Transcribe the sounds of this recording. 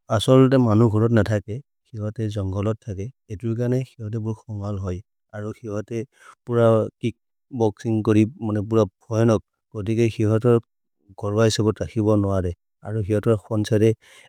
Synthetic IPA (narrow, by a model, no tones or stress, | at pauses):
asɔlt̬ɛmanuɡʱɔɹɔtnatʰakɛ | xiɦɔtɛzɔŋɡɔlɔtʰːakɛetuɹk̬aɹnɛxiɦɔt̬ɛbʊɹxɔmalɦɔj | aɹuxiɦɔtɛ | puɹakik̚ | bɔksiŋkoɹimanɛp̬uɹabʰʱɔjɔnɔk̚ | ɡ̥ot̬ikɛxiɦɔtɔɹ | ɡ̥ʱɔɹbaɦisabɔtakʰibɔnʊwadɛ | a̰ɹuxiɦɔtɔɹxɔnsaɾɛ